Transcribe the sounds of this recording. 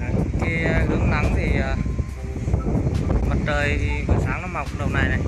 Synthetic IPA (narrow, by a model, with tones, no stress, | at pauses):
ki˧ɣɨ˨˦əŋna˨˩˦ŋt̪ʰi˨˩aː˨˩ | mə˨˩t̚t͡ɕəː˨˩jt̪ʰi˨˩kɔ˨˩saː˧˦ŋnɔ˨˦ma˨˩wk͡p̚ɗə˧˩wnaː˧jna˨˩j